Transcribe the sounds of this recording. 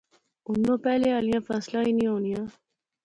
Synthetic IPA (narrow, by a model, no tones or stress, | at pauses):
ʊnd̪õːpɛːlealijãːfɛːslaːinĩoːnijãː